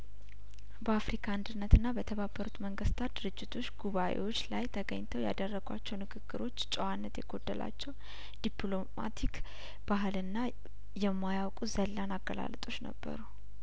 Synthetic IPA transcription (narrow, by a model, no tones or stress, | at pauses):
bəafɾikʰaɨnd̪ɨnːət̪ɨnːabət̪ʰəβabːəɾut̪məŋɡəst̪ʰat̪̚d̪̥ɨɾɨd͡ʒːɪt̪ʰo̞t͡ʃːɡuβaʔewo̞t͡ʃːlajt̪ʰəɡəɲt̪ʰəwja̰d̪ərːəɡ̥wa̰t͡ʃːɛwnɨkʰɨɡ̥ːɨɾo̞t͡ʃːt͡ʃʼɛwanːət̪jɛɡo̞d̪ːəlʔa̰t͡ʃːɛw | d̪̥iplo̞ma̰t̪ʰik | b̥aɦɨlɨnːa | jɛmːajawkʼuzəlːanaɡəla̰lət̪ʼo̞t͡ʃːnə̰bːə̰ɾu